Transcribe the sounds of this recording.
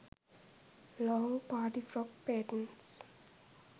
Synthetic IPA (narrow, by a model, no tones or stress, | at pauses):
lɔːpaːʈifɾɔk̚peːʈə̃nʈs